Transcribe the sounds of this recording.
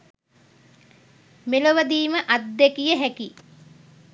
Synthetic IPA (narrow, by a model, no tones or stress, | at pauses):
meloʋəd̪iːməʔad̪ːekijəɦæki